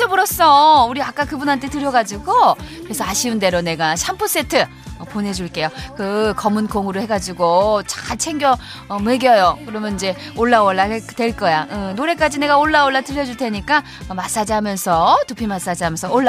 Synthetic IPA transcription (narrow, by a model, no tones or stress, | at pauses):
tebuɾʌs͈ʌuɾiak͈akɯbunɦantʰe̞tɯɾjʌɡad͡ʑiɡokkɯɾe̞sʰʌaɕʰiunde̞ɾone̞ɡaɕʰampʰos͈e̞tʰɯ | ʌpone̞d͡ʑuɭk͈e̞jokɯkʌmɯnkoŋuɾɯɭhe̞ɡad͡ʑiɡot͡ɕḁt͡ɕʰe̞ŋɡjʌ | ʌmeɡjʌjokɯɾʌmjʌnid͡ʑe̞ | oɭːawʌɭːaetwe̞ɭk͈ʌjaɯnoɾe̞k͈ad͡ʑine̞ɡaoɭːaoɭːatɯʎːjʌd͡ʑuɭtʰe̞ɲik͈a | mas͈ad͡ʑiɦamjʌnsʰʌtupʰimas͈ad͡ʑiɦamjʌnsʰʌoɭːa